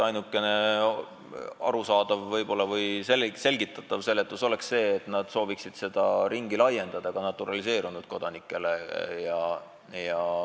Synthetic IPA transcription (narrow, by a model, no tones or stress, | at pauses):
ɑjnukːˑe̞ne̞ | ɑ̰ɾusɑːd̪̥ɑvːɤjbo̞lːɑvɤjselse̞lʲɡit̪ːˑɑt̪ːˑɑvse̞lːet̪ːˑuso̞le̞ksse̞ːt̪nɑd̪̥so̞ːviksid̪̥se̞d̪̥ɑɾiŋɡilɑjːe̞nd̪ɑd̪̥ɑɡ̥ɑnɑt̪ːˑuɾɑlise̞ːɾunud̪̥̚ko̞d̪̥ɑnikːˑe̞le̞jɑ | jɑ